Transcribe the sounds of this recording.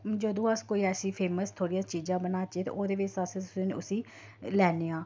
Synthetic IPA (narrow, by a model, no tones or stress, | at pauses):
d͡ʒəd̪õːəskoːiːɛːsĩːpʰeːməst̪ʰoːɽijãːt͡ʃiːd͡ʒãːbənaːt͡ʃeːt̪ḛːʔoːd̪eːʋɪt͡ʃəsẽt̪ʊsĩːneʊsĩː | lɛːneːãː